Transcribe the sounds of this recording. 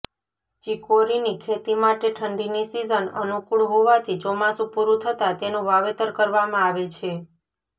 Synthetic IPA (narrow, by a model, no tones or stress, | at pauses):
t͡ʃikoɾinikʰet̪imaʈeʈʰəɳɖinisizənə̰nukuɭɦoʋat̪ʰid͡ʒomasupuɾut̪ʰət̪at̪enũʋaʋet̪əɾkəɾʋamãaʋet͡ʃʰe